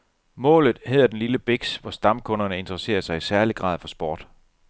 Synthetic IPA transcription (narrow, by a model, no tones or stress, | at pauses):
mɔ̰̽ːlð̞̩ˠhe̝ð̰ˠɐd̥enliləb̥e̝ɡ̥sʋɒsd̥ɑ̈mkʰɔ̽nɐnəe̝nd̥ʁəse̝̰ːɐsɑ̈ɪisæɐliɡ̥ʁɑ̰̈ːð̰ˠfɒ̽sb̥ɒːd̥